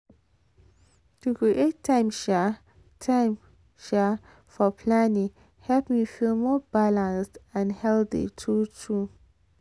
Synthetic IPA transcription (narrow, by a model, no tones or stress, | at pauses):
tʰukʰɹiʔetʰːãɪ̃mʃɛ | tʰãɪ̃m | ʃɛ | fɔpʰlanĩŋ | hɛlpmifilmɔbalãnstãnhɛlθḭtʰutʰu